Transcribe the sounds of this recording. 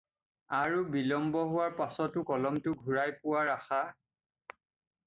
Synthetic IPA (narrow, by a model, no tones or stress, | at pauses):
aɹubilɔmbɔɦʊwaɹpasɔtʊkɔlɔmtʊɡʱuɹajpʊwaɹaxa